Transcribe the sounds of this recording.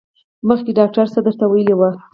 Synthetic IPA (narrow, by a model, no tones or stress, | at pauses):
məxkeɖɑk̚ʈaɾsad̪əɾt̪awajəlewə